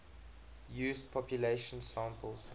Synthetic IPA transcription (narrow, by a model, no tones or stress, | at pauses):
juːspʰɔpjuleɪʃə̃nsãːmpəls